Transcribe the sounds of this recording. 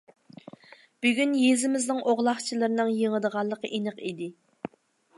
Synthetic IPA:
b̥yɡʲynjezɪmɪznɨŋʔoʁlˠɑχt͡ʃʰilˠɨɾnɨŋjeŋəd̪əʁɑlˠːəqəʔinəqid̪ɪ

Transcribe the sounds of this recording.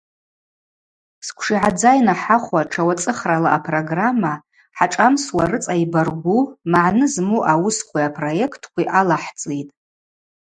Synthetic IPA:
skʷʰʂiʕad͡zajnaħaχʷwaʈ͡ʂʰawat͡sʼɨχralaʔapʰroɡramːa | ħaʈ͡ʂʼamswarɨt͡sʼaibarɡʷumaʕnɨzmuʔawʊskʷiapʰro̞je̞kʰtʰkʷiʔalaħt͡sʼitʼ

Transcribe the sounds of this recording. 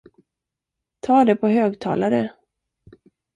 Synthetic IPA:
t̪ʰɑːd̪ɛpʰɔɦøːɡt̪ʰɑ̰ːlaɾə

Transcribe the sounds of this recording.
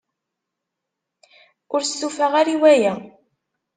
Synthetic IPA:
ʊɾstːufæʁaɾiwæjæ

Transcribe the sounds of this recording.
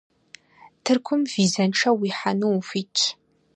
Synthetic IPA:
tʰɨrkʷʰʊmviːzɐnʈ͡ʂʰɐwiːħanufiːtʰʼ

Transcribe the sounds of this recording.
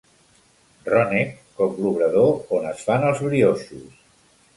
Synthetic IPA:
rɔnekkɔkluβɾəðoonəsfanəlˠzβɾiosus

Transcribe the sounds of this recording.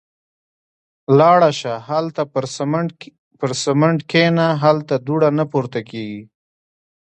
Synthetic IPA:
lɑɽaʃahalt̪a | pəɾsəmɪɳɖkʰenaɦalt̪ad̪uɽanapuɾt̪akeɡi

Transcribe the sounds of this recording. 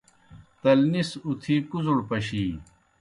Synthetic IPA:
t̪ɐlnisut̪ʰiːkuzuɽpɐɕiː

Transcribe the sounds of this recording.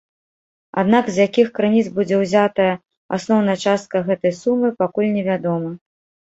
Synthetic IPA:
a̰d̪nakzjakʲixkɾɨnʲit̪zbud͡zʲɛwzʲat̪ɐjɐ | a̰snɔwnɐjɐt͡ʂast̪̚kɐɣɛt̪ɐjsumɨpakulʲnʲɛvʲad̪ɔmɐ

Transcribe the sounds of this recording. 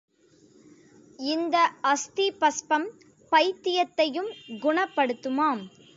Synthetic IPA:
ɪnd̪ɐʔɐst̪ipɐspɐm | pɐjt̪ːɪjɐt̪ːɐjɯmɡʊɳɐpːɐɽɯt̪ːɯmaːm

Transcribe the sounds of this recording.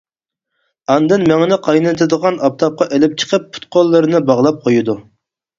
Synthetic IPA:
ɑnd̪ɨnmɛŋɪnɪqʰɑjnt̪ʰɨd̪əʁɑnɑp̚t̪ʰɑp̚qɑʔelɪp̚t͡ʃʰə̥qʰəpːʰu̥t̪̚qolˠːɨɾɨnɨbɑʁlˠɑp̚qʰojud̪u

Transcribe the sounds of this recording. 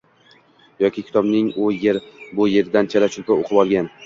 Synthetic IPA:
jɒkʲɪkʲʰɪ̥t̪ʰɒbnɪŋʊjeɾbʊje̞ɾd̪ant͡ʃʰelat͡ʃʰʊlpaoqʰɨbɒlˠɡʲan

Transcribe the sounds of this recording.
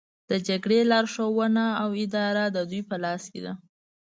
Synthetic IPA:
d̪̥əd͡ʒaɡɽelɑɾʃowənaːwɪd̪ɑɾad̪əd̪ujpəlɑskḛd̪a

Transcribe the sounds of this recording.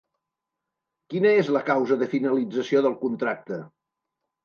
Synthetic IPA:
kinəezləkawzəðəfinəlid͡zəsioðəlˠkunt̪ɾak̚t̪ə

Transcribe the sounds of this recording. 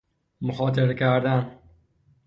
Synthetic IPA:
mʊxɒːt̪ʰeɾkæɾd̪æn

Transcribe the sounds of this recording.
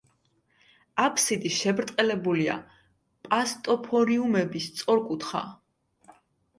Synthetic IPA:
apʰsid̪iʃɛbɾt̪ʼqʼɛlɛbulia̰ | pʼast̪ʼɔpʰɔɾiumɛbist̪sʼɔɾkʼut̪ʰχa̰

